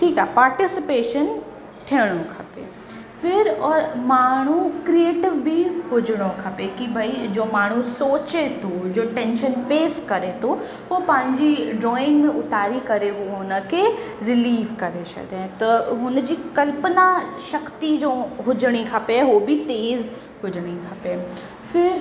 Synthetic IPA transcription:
ʈʰiːkaɦpaːɾʈɪsɪpeːʃən | ʈʰiəɽ̃okʰɐpḛ | fʰɪɾɔɾmaːɳ̤̃ukɾieːʈɪʋbiɦʊd͡ʑəɽ̃okʰɐpekibʱɐid͡ʑoːmaːɳ̤usoːt͡ɕet̪ʰod͡ʑoːʈɛ̃ːnʃənfeːskɐɾet̪ʰo | ɦoːpɐ̃ɦɪ̃ɲd͡ʑiɖɾɔːɪ̃ŋɡmẽʔʊt̪aːɾikɐɾeuɦʊnə̆kʰeɾɪliːʋkɐɾet͡ʃɐ̰d̪ẽt̪ɐɦʊnd͡ʑiːkɐlpənaʃɐkt̪id͡ʑoːɦʊd͡ʑəɽ̃ikʰɐpeɦobit̪eːz | ɦʊd͡ʑəɽ̃ikʰɐpe | fɪɾ

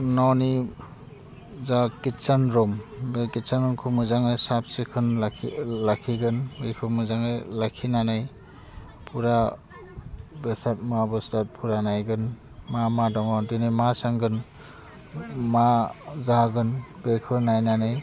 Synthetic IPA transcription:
nɔwni | zakitsanɾɔmbekitsanɔmkʰɯmɯzaŋɯjsap̚sikʰɯn | lakʰiɡɯnbekʰɯmɯzaŋɯjlakʰinanɯj | pʰuɾa | besat̚mabɯstat̚pʰuɾanajɡɯn | mamadɔŋɔdɯnɯjmasaŋɡɯn | mazaɡɯnbekʰɯɾnajnanɯj

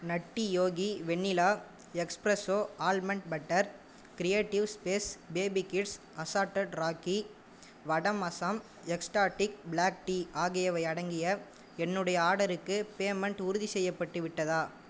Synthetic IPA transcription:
nɐʈːijoːɣiʋɛɳːɪlaː | ɛkspɾɐsoːaːlmɛɳʈ̚bɐʈːɐɾ | kɪɾɪjeːʈːɪʋspeːsbeːbikɪʈs | ɐsaːɾʈɐɖɾaːki | ʋɐɽɐmɐsam | ɛksʈaːʈːɪk̚blaːk̚ʈiːʔaːɣɪjɐʋɐɪɐɽɐŋɡɪjɐ | ɛnːɯɽɐjɐaːɽɐɾɯkːɯpeːmɛɳʈʊɾʊðisɛjːɐpːɐʈːɯʋɪʈːɐðaː

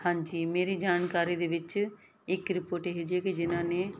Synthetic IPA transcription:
hãːɲd͡ʒiːmeːɾiːd͡ʒaːnkaːɾiːd̪eːʋɪt͡ʃ | ɪkɾɪpoːɾʈeːɦeːd͡ʒieːkid͡ʒɪnãːneː

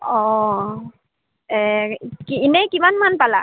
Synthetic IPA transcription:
ɔ | ɛkiinɛkimanmanpala̰

